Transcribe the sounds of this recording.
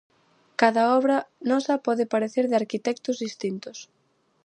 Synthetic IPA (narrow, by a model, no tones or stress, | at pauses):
kaðɐɔβɾɐnɔsɐpɔðɪpaɾeθeɾðɪaɾkit̪ɛk̚t̪ʊzðist̪int̪ʊs